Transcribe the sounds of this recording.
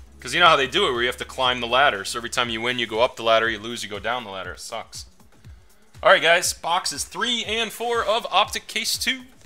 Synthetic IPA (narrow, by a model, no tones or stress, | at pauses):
kʰʌzjɨnoʊhaʊðeɪdɨɪt̚wə˞jɨhæftɨkʰl̥ãɪ̃mðəlæɾə˞soʊɛvɹitʰãɪ̃mjɨwɪ̃njɨɡoʊʌp̚ðəlæɾə˞jɨlʉzjɨɡoʊdãʊ̃nðəlæ̰ɾə̰˞sʌ̰ks | ʔɑlˠɹaɪt̚ɡ̥aɪz̥b̥ɑksɨz̥θɹiɨ̃nfɔɹʌvɑp̚tɨkʰːeɪstʰʉ